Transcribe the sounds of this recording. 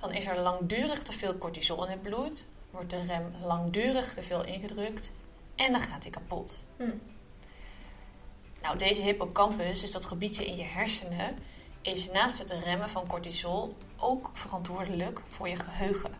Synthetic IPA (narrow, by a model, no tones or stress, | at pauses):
d̥ɑnɪsɛɹlɑŋdyːrəχtəvɪːlˠkɔɹtizɔlˠɪnɦəd̚blujtʋɔɹt̚dərɛmlɑŋdyːrəχtəvɪːlˠʔɪ̰nχədrɵkt | ɛndɑχaːtikapɔ̰t | nawdejzəɦɪpokɑmpəsdɵsdɑtχəbitəʔɪ̰njəɦɛɹsənəʔɪsnaːstɦətrɛməvɑnkɔɹtizɔlˠ | ʔowkfərɑntʋʊːɹdələkv̥ʊːɹjəχəɦøɥχə̰